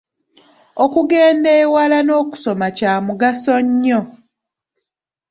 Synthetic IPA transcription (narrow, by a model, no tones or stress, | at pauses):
okuɡe̞ːndeːwalano̞ːku̥so̞macaːmuɡasoɲːo